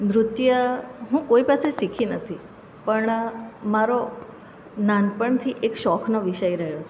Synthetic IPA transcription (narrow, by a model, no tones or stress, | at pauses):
nɾʊt̪jəɦũkoipasesikʰinət̪ʰi | pəɳmaɾo | nanpəɳt̪ʰiʔekʃɔkʰnoʋiʃəjɾəɦjot͡ʃʰe